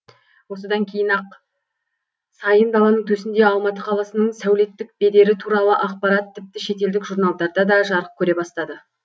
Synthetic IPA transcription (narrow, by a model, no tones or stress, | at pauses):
wo̞s̬əd̪ɑŋkʲʰe̞jɪnɑq̚ | sɑjənb̪ɑlˠɑnəɴt̪ʰɵsɪnd̪e̞ɑlˠmɑt̪əqʰɑlˠɑsənəɴsæwle̞t̪ːɪk̚be̞d̪e̞ɾɪt̪ʰuɾɑlˠəʔɑqpɑɾɑt̪ʰːɪp̚t̪ɪʃe̞t̪e̞ld̪ɪkʒuɾnɑlˠd̪ɑɾd̪ɑd̪ɑʒɑɾəq̚kʲʰɵɾe̞bɑst̪ɑd̪ə